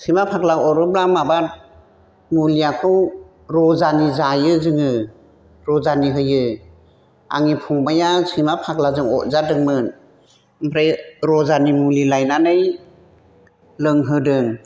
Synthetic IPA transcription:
sɯmapʰaklawɔɾɯblamabat̚ | muliakʰɯw | ɾɔzanizajɯzɯŋɯ | ɾɔzaniɦɯjɯ | a̰ŋipʰuŋbajasimapʰak̚lazɯŋɔ̰tzadɯŋmɯn | mpʰɾajɾɔzanimulilajnanɯj | lɯŋɦɯdɯŋ

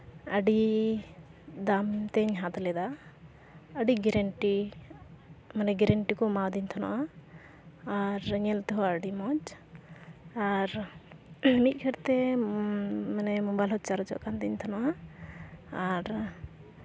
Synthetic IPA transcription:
əɖi | d̪amt̪ɛɲɦat̪lɛd̪a | əɖiɡɛɾɛɳʈi | manɛɡɛɾɛɳʈikɔmawd̪iɲt̪ʰɔna̰ʔaː | ɾɲɛlt̪ɛɦɔəɖimɔd͡ʒ | aɾ | mit̪̚ˀkʰɛɾt̪ɛ | manɛmɔbajlɦɔt̪̚t͡ʃaɾɔt͡ʃɔ̰ʔkand̪iɲt̪ʰɔnaʔaː | ɾ

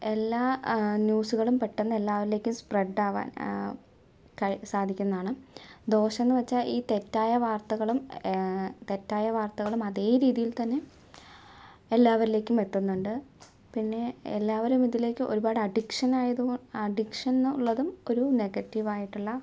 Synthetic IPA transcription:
e̞lːaːnjuːsuɣɐɭumpe̞ʈːenːɐe̞lːaːʋɐɾile̞ːkʲːumspreɖaːʋa̰ːn | kɐɻisaːd̪ʱikʲːunːɐðaːɳɨd̪o̞ːɕɐnːɨʋɐt͡ɕːaːliːt̪etːaːjɐʋaːrt̪ɐɣɐɭum | t̪e̞tːaːjɐʋaːrt̪ɐɣɐɭumɐðeːɾiːðijilt̪ɐnːe̞ | elːaːʋɐɾile̞ːkʲːume̞t̪ːunːuɳɖɨ | pinːe̞elːaːʋɐɾumiðile̞ːkʲːɨʔoɾubaːɽɨɐɖikʂɐnaːjɐðuɐɖikʂɐnuɭːɐðumo̞ɾune̞ɣɐtːiʋaːjiʈːuɭːɐ

